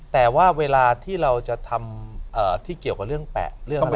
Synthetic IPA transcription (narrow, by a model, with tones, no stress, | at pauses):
t̪ɛː˨˩waː˥˩weː˧laː˧t̪ʰiː˥˩ɾa˧wt͡ɕa˨˩t̪ʰa˧mʔəː˨˩t̪ʰiː˥˩ki˨˩əwka˨˩ɾɯ˥˩əŋpɛ̰ː˨˩ʔɾɯ˥˩ə˨˥˦